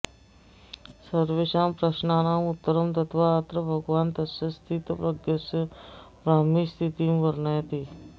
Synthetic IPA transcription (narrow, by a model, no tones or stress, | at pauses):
səɾʋeʃaːmpɾəʃnaːnamut̪ːəɾəmt̪ət̪ʰʋaːt̪ɾəbʱɐɡʋaːnt̪ɐsjɐst̪ʰit̪pɾɐɡjəsəʋɾaːmiːst̪ʰit̪imʋəɾɳəjt̪iː